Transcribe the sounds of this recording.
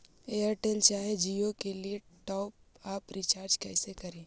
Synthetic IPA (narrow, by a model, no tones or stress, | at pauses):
eəɾʈelt͡ʃaːɦed͡ʒiːokelieʈɔːp | aːpɾit͡ʃaːɾd͡ʒkɛɪsekɐɾẽː